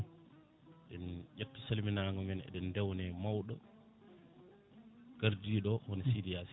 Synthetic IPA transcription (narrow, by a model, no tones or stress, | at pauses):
ɗɛnʔatːɔsalminaŋɡɔmɛnɛ̰ɗɛndɛwnɛmawɗɔ | ɡ̥aɾdiːɗɔhɔnɛsidias